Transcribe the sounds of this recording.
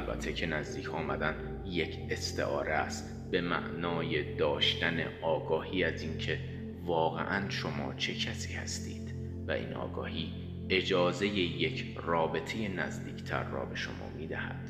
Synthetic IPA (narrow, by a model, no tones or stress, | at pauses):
ʔælbæ̰t̪ʰːecʰe̞næzd̪iːcʰɒːmæd̪ænd̪ | je̞cʰe̞st̪ʰe̞̰ʔɒːɾææst̪ | be̞mæ̰ʔnɒːje̞d̪ɒːʃt̪æne̞̰ʔɒːɡɒːhiːæziːncʰe̞ | vɒːɣe̞̰ʔænʃo̞mɒːt͡ʃʰe̞cʰæsi̥ːhæst̪iːd̪̥ | væ̰ʔḭːnʔɒ̰ːɡɒ̰ːhiː | e̞d͡ʒɒːze̞je̞je̞cʰ | rɒːbe̞t̪ʰeje̞næzd̪iːcʰt̪ʰæ̰ɾːɒ̰ːbe̞ʃo̞̰mɒ̰ːmiːd̪æhæ̰d̪̥